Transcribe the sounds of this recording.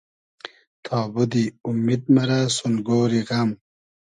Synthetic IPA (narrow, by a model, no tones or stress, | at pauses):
t̪ʰaːbud̪iumːid̪̚mɐɾasunɡoːɾiɣɐm